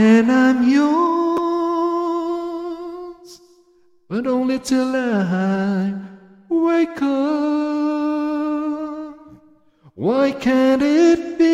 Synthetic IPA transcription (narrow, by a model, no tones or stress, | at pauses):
ɨ̃nãɪ̃mjɔ | z̥ | b̥ʌɾõʊ̃nlitʰɪlˠaa | weɪkʰʌ | p | waɪkʰɨ̃nɪt̚b̥i